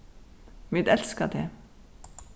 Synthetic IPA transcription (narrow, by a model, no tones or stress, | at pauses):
mɪd̪ɛlskəd̪eː